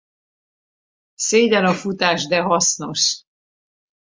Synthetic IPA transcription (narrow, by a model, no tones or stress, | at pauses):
seːdɛnɒfut̪aːʒd̪ɛɦɒsno̞ʃ